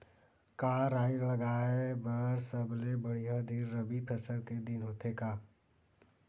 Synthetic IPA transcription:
kaːɾaːiləɡaːebəɾsəblebəɽ̤ijad̪ʱiɾːəbipʰəsəlked̪ɪnɦoːt̪ekaː

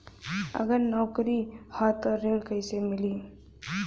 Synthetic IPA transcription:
ə̰ɡəɾnɔːkɾihaːt̪əɾelkəɪsemɪli

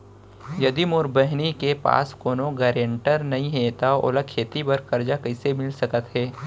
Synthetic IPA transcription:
jɐd̪imʊɾbəɦnikepa̰ːskoːnoɡɛːɾẽɳʈəɾnɐɦĩɦɛt̪ao̰ːlakʰeːt̪ibɐɾkɐɾd͡ʒakɐɪsemɪlsɐkət̪ɦɛː

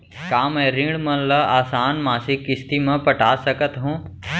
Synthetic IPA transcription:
kaːmɛ̃ːɾĩːɽmɐnlɐaːsaːnmãːsikɪst̪imẽpɐʈaːsəkət̪ɦũː

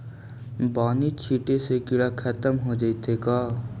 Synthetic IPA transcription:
baːnit͡ʃʰiːʈesekɪɽakʰət̪əmɦod͡ʒaɪt̪ekaː

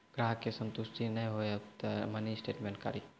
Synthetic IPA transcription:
ɡ̥ɾaːɦkesə̃nt̪ʊsʈinəɦĩɦoet̪əɾmɐnisʈeːʈmẽɳʈ̚ka̰ɾi

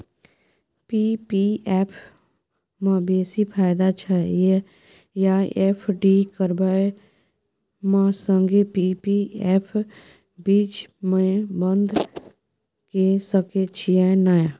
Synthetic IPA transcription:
pipiɛːpʰ | mãbeːsipʰaːjd̪at͡ʃʰaje | jaepʰɖikəɾbae | mãsə̃ŋɡepipiɛːpʰ | biːt͡ʃmə̃bənd̪ | kesəket͡ʃʰiãnaːja

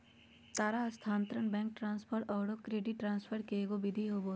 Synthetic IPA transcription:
t̪aːɾaɐst̪ʰãːnt̪ɾəɳbɛ̃ːŋk̚ʈɾãːnspʰoɾʈɔːɽokɾeːɖɪʈːɾãːnspʰəɾkeɡobɪd̪ʱiɦoboː

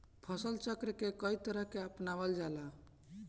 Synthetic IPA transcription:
pʰəsəlt͡ʃəkɾəkekəit̪əɾəɦkeəpnaʋəld͡ʒala

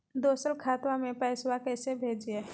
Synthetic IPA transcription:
d̪oːsəlkʰaːt̪wamẽpɛːswakɛːsebʱeːd͡ʒieː

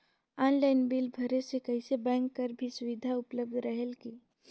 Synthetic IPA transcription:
aːnlaːɪnbɪlbʱɐɾesekɐɪsebɛ̃ːŋkːɐɾbʱisʊʋɪd̪ʱaʊpləb̚d̪ʱɾəɦelki

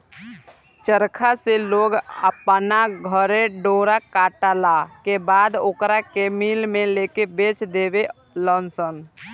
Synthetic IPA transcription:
t͡ʃəɾkʰaseloːɡəpnaɡʱəɾeɖoːɾakaːʈalakebaːd̪ʊkɾakemiːlmẽleːkebeːt͡ʃd̪eːwe | lɔːnsən

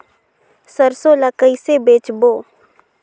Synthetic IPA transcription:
səɾsoːləkəisebeːt͡ʃboː

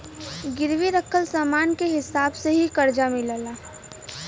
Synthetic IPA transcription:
ɡɪɾwiɾəkʰəlsaːmaːnkeɦɪsaːbseɦikəɾd͡ʒamɪləlaː

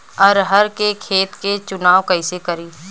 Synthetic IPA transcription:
ɔɾɦɐɾkekʰeːt̪ket͡ʃʊnaːwkɐɪsekɐɾiː

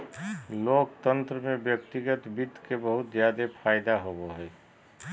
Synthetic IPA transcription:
loːk̚t̪ə̃nt̪ɾəmẽbjək̚t̪iɡət̪bɪd̪ʱkebəɦʊt̪zjaːd̪epʰaːɪd̪aɦoboɦɛ

